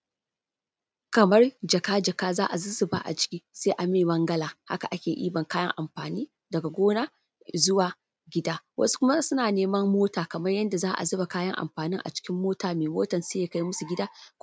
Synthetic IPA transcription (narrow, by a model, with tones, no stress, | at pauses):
kɐ˨mɐ˦rd͡ʒɐ˨kaː˦d͡ʒɐ˨kaː˦zaː˦ʔa˨zʊ˦zɪ˦˨ba̰ː˦ʔa̰˨t͡ʃɪ̥˦kʲiː˦seː˦ʔa˨meː˨mɐ˦ŋɡɐ˦laː˨ha˦ka˨ʔa˦kʲeː˨ʔḭː˦bɐ˨ŋkaː˦jɐ̰˦ŋʔa˨mɸaː˨niː˦ | dɐ˨ɡa˨ɡʷoː˦naː˦ | zʊ˦waː˨ | ɡʲɪ˦daː˦wʔɐ̰˦su̥˦kʷʊ˦ma˦sʊ˦naː˨neː˦mɐ˦mːoː˦taː˨kɐ˨mɐ˦rjɐ˦nda˨zaː˦ʔa̰˨zʊ˦ba˨kaː˦jɐ˦ŋʔa̰˨mɸaː˨nɪ˦ŋʔa̰˨t͡ʃɪ̥˦kʲɪ˦mːoː˦taː˨meː˨moː˦tɐ˨nseː˦ja˦ka˦ji˦mʊ˦su˨ɡʲɪ˦daː˦